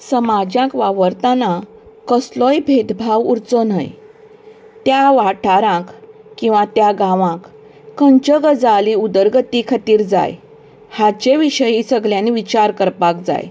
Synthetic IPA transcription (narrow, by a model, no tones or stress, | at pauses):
səmad͡ʑjãkʋaʋəɾt̪ana | kəslɔjbʱed̪bʱaʋuɾt͡sɔna̰j | t̪jaʋaʈʰaɾãk | kːĩw̃ʋãt̪jaɡãʋãkː | əɲt͡ɕəɡəd͡zaliud̪əɾɡət̪ikʰat̪iːɾd͡za̰j | hat͡ɕeʋiɕəjisəɡljãniʋit͡ɕaɾkəɾpakd͡za̰j